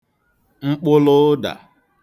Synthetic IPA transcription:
ŋ͡m̩˦k͡pʊ˦lʊ˦da̰˨

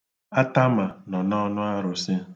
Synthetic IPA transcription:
a˦ta˦ma˨nɔ˨nɔ˦nʊ˦a˦ɾʊ˨sɪ˦

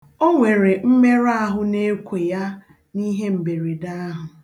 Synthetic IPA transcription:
o˦ŋʷe˨ɾe˨m̩˦me˦ɾa˦ɦʊ˨ne˦kʷe˨ja˦ | ni˦ɦe˦m̩˨be˨ɾe˨da˦ɦʊ˨

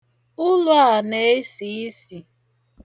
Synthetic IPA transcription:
ʊ˦lʊ˦a˨ne˦e˦si˨˦i˦si˨

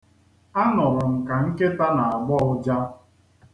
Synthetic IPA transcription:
a˦nɔ˨ɾʊ˨m̩˨ka˨ŋ̩˦ke˦ta˦na˨a˨ɡ͡bɔ˦ʊ˦d͡ʒa˦

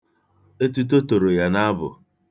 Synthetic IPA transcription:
e˦t̬u˦t̬o˦to˨ɾo˨ja˦na˦bʊ̰˨

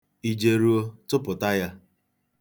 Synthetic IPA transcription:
i˨d͡ʒe˨ɾu˦o˦tʊ˦pʊ˨ta˦ja˦

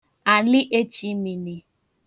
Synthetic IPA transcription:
a˨lɪ˦ʔe˦t͡ʃi˦mi˨ni˨

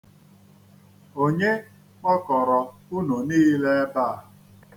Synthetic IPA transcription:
o˦ɲe˦ | k͡pɔ˦kɔ˨ɾɔ˨u˦no˨niː˦le˦e˦ba˦˨a˨

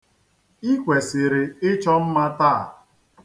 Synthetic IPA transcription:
i˦kʷe˨sɪ˨ɾɪ˨ɪ˦t͡ʃɔ˦m̩˦ma˦ta˦˨

